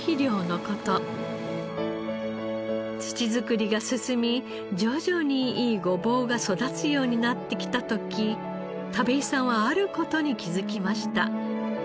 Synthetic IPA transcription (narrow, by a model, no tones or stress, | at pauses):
çiɾʲjo̞ːno̞ko̞t̪o̞ | t͡sɨ̥t͡ɕizɨkɯ̟ɾʲiɡasɨsɨmʲi | d͡ʑo̞ːʑo̞ːɲ̟iiːɡo̞bo̞ːɡaso̞d̪at͡sɨjo̞ːɲ̟inat̪ːe̞kʲi̥t̪at̪o̞kʲʰi | t̪abe̞isãɰ̃βaaɾɯ̟ko̞t̪o̞ɲ̟ikʲizɨkʲimaɕi̥t̪a̰